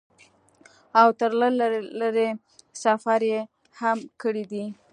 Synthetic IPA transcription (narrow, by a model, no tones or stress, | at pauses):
awt̪əɾlalləɾe | safaɾje | hamkəɽid̪i